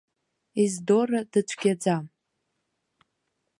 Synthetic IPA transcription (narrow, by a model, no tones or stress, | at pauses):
izdorad̥ɨt͡ʃʷʰɡ̥ʲad͡zam